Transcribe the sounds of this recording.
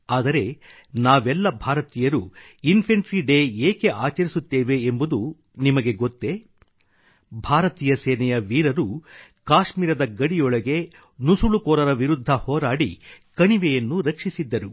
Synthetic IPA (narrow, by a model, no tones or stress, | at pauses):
aːd̪ɐɾe̞ | naːʋɛlːɐbʱaːɾɐt̪iːjɐɾu | inpʰɐɳʈɾiɖe̞ːeːkeʔaːt͡ʃɐɾisut̪ːeːʋe̞ːmbud̪u | nimɐɡe̞ɡot̪ːe̞ | bʱaːɾɐt̪iːjɐsɛːnɛjɐʋiːɾɐɾukaːʃmiːɾɐd̪ɐɡɐɽijɔɭɐɡe̞ | nusuɭukɔːɾɐɾɐʋiɾud̪ʱːɐhɔːɾaːɽḭkɐɳiʋejɐnːuɾɐkʂisid̪ːɐɾu